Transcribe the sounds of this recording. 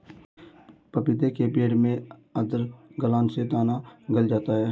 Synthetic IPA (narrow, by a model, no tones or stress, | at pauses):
pəpɪd̪ekebeːɽmẽəd̪əɾɡəlaːnsed̪aːnaɡəld͡ʒaːt̪aɦɛː